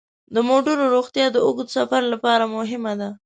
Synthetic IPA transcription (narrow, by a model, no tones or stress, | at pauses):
d̪əmoʈəɾoɾoɣt̪jɑd̪əʊɡd̪safaɾlapɑɾamʊɦɪmad̪a